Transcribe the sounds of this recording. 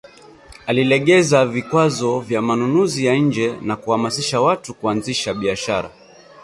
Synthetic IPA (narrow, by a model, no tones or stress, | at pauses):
alilɛɠɛzavikwazɔvjamanunuzijaɲ̩d͡ʒɛnakuhamasiʃawatukuanziʃaɓiaʃaɾa̰